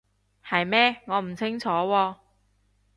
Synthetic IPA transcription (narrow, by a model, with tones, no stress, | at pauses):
hɐ˨jmɛː˥ŋɔː˨˧m̩˨˩t͡sʰɪ˥ŋt͡sʰɔː˨˥wɔː˧